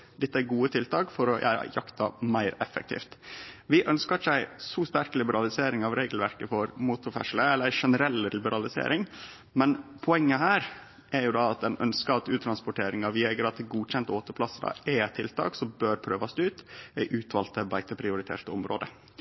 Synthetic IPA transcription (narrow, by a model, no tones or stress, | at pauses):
d̪ɪt̪ːəæɾɡuːət̪ʰɪlt̪ɑːkfɔɾɔʔæ̰jɑkt̪ɑmæɪɾɛfə̰k̚t̪ʰḭːft̪ʋɪʔœnskət͡ʃæɪsɔst̪æɾklɪbəɾɑlɪseːɾɪŋɑʋɾeːɡəl̩ʋæɾkəfɔɾmuːt̪ʊɾfɛ̰ʂləɛlːəɾæɪʂɛnəɾɛlːlɪbəɾɑlɪsḛːɾʔɪŋ | mɛnpʰʊɛŋːəhæːɾ | ʔæɾjʊd̪ɑɑt̪̚d̪ɛnʔœnskəɑt̪ʉːt̪ʰɾɑnspʊʈʰeːɾɪŋɑʋɪɛɡəɾɑt̪̚d̪ɛɡuːc͡çɛnt̪oːt̪əpʰlɑsəd̪ɑ̰ɛt̪ʰɪlt̪ʰɑ̰ːksɔmbøːɾpʰɾøːʋɑst̪ʉːt̪æɪʔʉːt̪ʰʋɑːlt̪əbæɪt̪əpʰɾɪʊɾɪt̪ʰḛːʈəɔmɾoːd̪ə